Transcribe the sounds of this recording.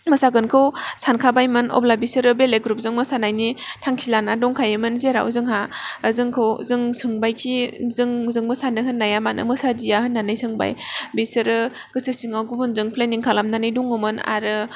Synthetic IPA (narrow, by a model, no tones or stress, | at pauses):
mɯsaɡɯnkʰɯwsankʰabajmɯnɔ̰blabisɯɾɯbeleɡɾup̚zɯŋmɯsanajnitʰaŋkʰilanadɔŋkʰajɯmɯnzeɾa̰wṵzɯŋɦaəzɯŋkʰɯwzɯŋsɯŋbajkʰizɯŋzɯŋmɯsanɯɦɯnːajamanɯ̰mɯsadijahɯnːanɯjsɯŋba̰jbesɯɾɯ | ɡ̥ɯsɯsiŋaɡubunzɯŋpʰleniŋkʰalamnanɯjdɔŋomɯna̰ɾɯ